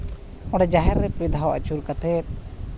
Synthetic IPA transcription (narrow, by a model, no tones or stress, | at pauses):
ɔɽɛd͡ʒaɦɛɾːɛpɾid̪ʱaɔwʔa̰t͡ʃuɾkat̪ʰɛt̪̚